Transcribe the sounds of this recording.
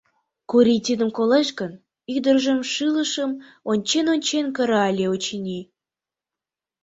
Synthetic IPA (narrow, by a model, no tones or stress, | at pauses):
kuɾʲit̪ʲid̪ə̆mkoleʃkə̆n | yd̪ərʒə̆mʃɯlˠəʃə̆m | onʲt͡ɕenonʲt͡ɕenkə̆ɾəɑlʲeot͡ɕinʲi